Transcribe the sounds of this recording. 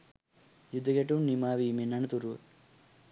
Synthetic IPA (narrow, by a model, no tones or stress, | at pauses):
jud̪ʱɐɡeʈunimaːʋiminɐɳɐt̪uɾu